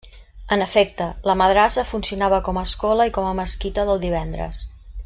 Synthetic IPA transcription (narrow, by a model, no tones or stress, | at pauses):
ənəfɛk̚t̪ələməðɾasəfunsiunaβəkɔməːskɔləikɔməməskit̪əðəlˠd̪iβ̞ɛnd̪ɾə̰s